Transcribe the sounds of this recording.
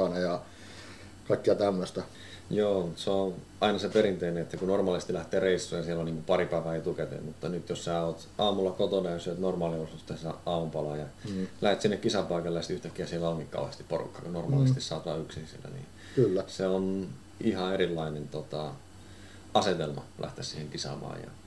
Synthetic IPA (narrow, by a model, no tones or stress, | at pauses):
ɑnɑjɑ | kɑikːiɑt̪æmːøst̪æ | joːmut̪seo | ɑinɑsepeɾint̪eineet̪ːækunormɑːlisest̪ilæht̪eːreisːuːjɑsielːoniːŋkupɑripæiʋæːet̪uket̪ḛmut̪ːɑnyt̪jossæːoːt̪ɑːmulːɑkot̪onæysyøt̪normɑːliorsut̪ːæssæɑːmumpɑlɑjɑlæhet̪sinːekkisɑpɑikɑlːejɑsi̥t̪yht̪ækːijɑsielːæoŋkikkɑ̰uhest̪i̥pporṵkːɑ̥kunormɑ̰ːlist̪issɑːt̪ʋɑ̰ːyksinsḭlːæ̰nḭː | kylːæseon | ihɑeɾilːɑinent̪ot̪ɑ | ɑset̪elmɑ̰læ̰ht̪essiheŋkisɑ̰mɑ̰ːjɑ̰